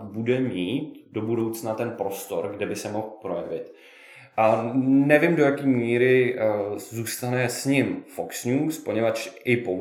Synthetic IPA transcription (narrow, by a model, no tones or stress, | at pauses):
budɛmiːt̪̚dobudowt͡snat̪ɛnpɾo̞st̪o̞ɾɡdɛbɪsɛmo̞xpɾo̞jɛvɪt̪ | nɛvɪmdo̞jakiːmiːɾɪ | zuːst̪anɛsɲɪmfoksɲuːspo̞ɲɛvat͡ʃʔɪpo